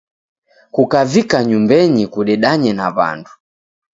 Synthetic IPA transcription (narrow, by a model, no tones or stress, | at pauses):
kukavikaɲumbɛɲikuɗɛɗaɲɛnaβa̰ndu̥